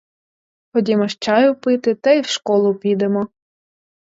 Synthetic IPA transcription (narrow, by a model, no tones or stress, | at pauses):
xɔdʲimɔʃt͡ʃɑjʊpɪt̪ɪt̪ɐiwʃkɔlˠʊpʲid̪emɔ